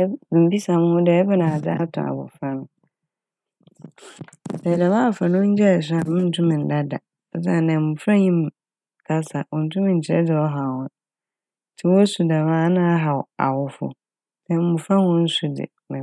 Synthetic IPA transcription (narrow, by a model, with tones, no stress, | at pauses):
m̩˨bi˦sa˨m̃˦hʊ̃˦dɛ˨ɛ˦bɪ˦nã˨a˨d͡za̰˦tʰʊ̰̃˨a̰˨bʊ̰˨fɾã˦m | dɛ˨da˨mãː˦˨fã˨nʊ̃˦ɲ̩˦d͡ʑɛ˦˨s̬a˨mʊ̃˦n̩˨tʰũ˦mɪ̃˨n̩˨da˦da̰˨˦ | s̬a˦˨nɛ̃˨mʊ̃˨fɾã˦ɲĩ˦m˨ | kʰa˦sa˨wɔ˨n̩˨tʰũ˦mɪ̃˨ɲ̩˨t͡ɕʰɪ˨ɾɛ̰˦dɪ˨ɔ˦ɦa˨hʊ̃˦ | tʰɪ˦wɔ˦su˨da˨mãː˦nã˦ɦa˨ɔ˨a̰˨wʊ˦fʊ̰˨ | sɛ˦mʊ̃˨fɾã˦hɔ̃˦n̩˦su˦dɪ̰˨ | nã˨